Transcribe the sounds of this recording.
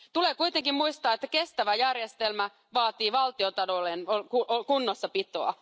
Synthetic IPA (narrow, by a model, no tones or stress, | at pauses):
t̪ulekuit̪eŋkimmuist̪ɑːet̪ːæke̞st̪æʋæjærjest̪elmæ | ʋɑːt̪iːʋɑlt̪iot̪ɑlolenokuokunːosːɑpit̪oɑ̰